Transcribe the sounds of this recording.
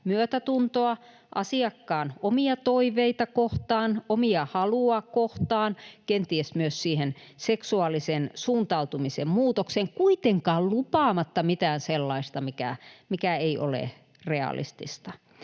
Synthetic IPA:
myøt̪æt̪unt̪oɑ | ʔɑsiɑkːɑːnomiɑt̪oiʋeit̪ɑkoht̪ɑːnomiɑhɑluɑkoht̪ɑːnkent̪iesmyøssiːhenseksuɑlˑisensuːnt̪ɑut̪umisemmuːt̪okseŋkuit̪eŋkɑːllupɑːmɑt̪ːɑmit̪æːnselːɑist̪ɑmikæ̰mikæeiʔo̰lḛ | reɑ̰lḭst̪ist̪ɑ

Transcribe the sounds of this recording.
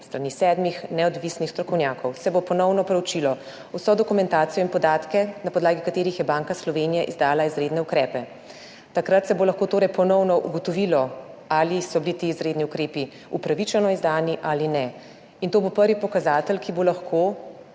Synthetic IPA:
st̪ɾanisɛd̪mixnɛɔd̪ʋisnixst̪ɾɔkɔwnʲjaːkɔwsɛbopɔnɔwnɔpɾɛwt͡ʃilɔ | usɔd̪ɔkumɛnt̪aːt̪sijɔinpɔd̪aːt̪kɛnapɔd̪laːɡikat̪eːɾixjɛbaːŋkaslɔʋenijaʔḭzd̪aːlaizɾeːd̪nɛukɾɛːpɛ | t̪akɾat̪sɛbolɐxkoːt̪oːɾɛjpɔnɔwnɔʔuɡɔt̪ɔʋilɔalisɔbilit̪eːzɾeːd̪niukɾeːpi | upɾaʋit͡ʃɛnɔizd̪aːniʔaːlinɛ | int̪oːbopəɾʋipɔkazaːt̪əlkʰibolaxkʰo

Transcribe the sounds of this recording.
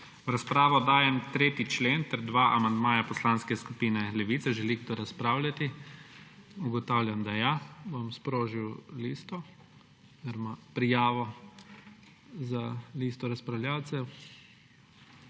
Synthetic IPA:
ɾaspɾaːʋɔd̪aːjɛmt̪ɾeːt̪it͡ʃleːnt̪ɛɾd̪ʋaʔamand̪maːjapɔslaːnskɛskupiːnɛlɛʋisɛʒɛliɡd̪ɔɾaspɾaːwlʲjat̪i | uɡɔt̪aːwljamd̪ajabomspɾoːʒiwliːst̪ɔ | ɛɾmapɾijaːʋɔ | zaliːst̪ɔɾaspɾawljaːwt̪sɛw

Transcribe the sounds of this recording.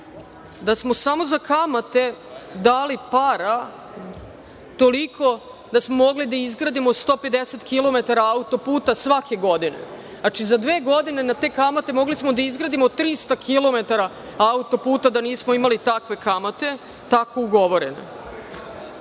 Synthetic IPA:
d̪asmo̞samo̞zakamat̪e̞d̪aːlipaɾa | t̪o̞likʰo̞ | d̪asmomo̞ɡlid̪aizɡɾaːd̪imost̪o̞ːpe̞d̪eset̪kilˠo̞me̞t̪aɾaaut̪o̞puːt̪asʋake̞ɡo̞d̪ine̞̰ | nat͡ʃizad̪ʋe̞ːɡo̞d̪ine̞nat̪e̞ːkamat̪e̞mo̞ɡlismo̞d̪aizɡɾaːd̪imot̪ɾist̪akʰilˠo̞me̞t̪aɾa | aut̪o̞puːt̪ad̪aniːsmoimalit̪akʋe̞kamat̪e̞ | t̪ako̞uɡo̞ʋo̞ɾḛne̞̰

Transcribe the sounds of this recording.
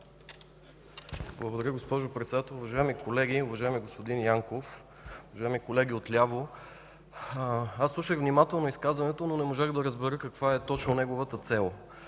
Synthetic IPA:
blˠəɡod̪ɐɾʲjəɡospɔʒopɾɛt̪sɛd̪at̪ɛlˠʊvɐʒaɛmikolɛɡiʊvɐʒaɛmiɡospod̪injaŋkof | ʊvɐʒaɛmikolɛɡʲiot̪lʲavo | aslˠuʃəɣvnimat̪ɛlˠnoiskazvɐnɛt̪ononɛmoʒaɣd̪ɐɾəzbɛɾɤkɐkvaɛt̪ɔt͡ʃnonɛɡovət̪ət̪sɛlˠ

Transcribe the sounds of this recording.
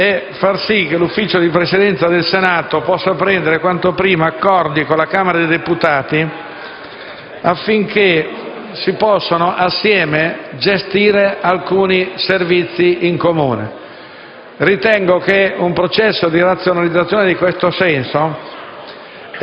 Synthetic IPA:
efarsik̟ːelufːiːt͡ʃod̪ipɾesid̪ɛnt̪sad̪elsenaːt̪opɔsːapɾɛnd̪eɾekwant̪opɾiːmaːkːɔrd̪ikolːakaːmeɾad̪ed̪eput̪aːt̪i | afːiŋkʰe | sipɔsːanoʔasːjɛːmed͡ʒest̪iːɾealkuːniservit̪sːiʔiŋkomuːnḛ | rit̪ɛŋɡokeumpɾot͡ʃɛsːod̪iɾat̪sːjonalid̪zːat̪sːjoːned̪ikwest̪osɛnso

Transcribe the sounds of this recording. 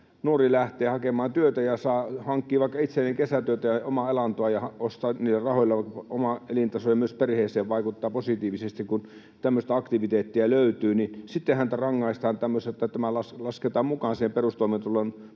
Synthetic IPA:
nuorilæht̪ˑeːhɑkemɑːnt̪yøt̪æjɑsɑːhɑŋkːiːʋɑˑikːɑit̪selːeŋkesæt̪yøt̪æjɑomɑelɑnt̪oɑjɑhɑost̪ɑniːlːærɑhoˑilːɑɑkːomɑʔelint̪ɑsojɑmyøsperheːseːʋʋɑikut̪ːɑːposit̪iːʋisest̪ikkun | t̪æmːøst̪æɑkt̪iʋit̪eːt̪ːiæløyt̪yːnisit̪ːehænt̪ærɑŋːɑist̪ɑːnt̪æmːøset̪ːæt̪æmælɑslɑsket̪ɑːmmukɑːnsihemperust̪oˑiment̪ulon

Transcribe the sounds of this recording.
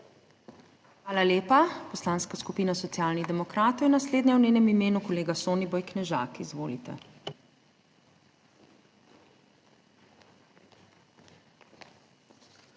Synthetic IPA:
xʋaːlaleːpapɔslaːnskaskupiːnasɔt̪sijaːlnid̪ɛmɔkɾaːt̪ɔwjɛnasleːd̪nɛwneːnɛmimeːnukɔleːɡasoːnibɔjknɛʒa̰ːkizʋoːlit̪ɛ̰

